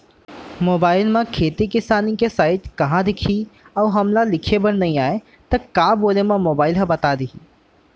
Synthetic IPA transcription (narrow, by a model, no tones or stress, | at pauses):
moːbaːɪlmãkʰeːt̪ikɪsaːnĩkesaːɪʈkɐɦãd̪ɪkʰi | ɔːɦɐmlalɪkʰebɐnnɐɦĩaːe | t̪ɐkaːboːlemãmoːbaːɪlɦɐ̃bɐt̪ad̪iɦiː